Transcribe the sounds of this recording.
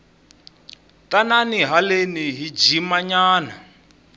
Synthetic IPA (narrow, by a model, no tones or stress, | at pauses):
tʼananiɦaleniɦid͡ʒimaɲaːna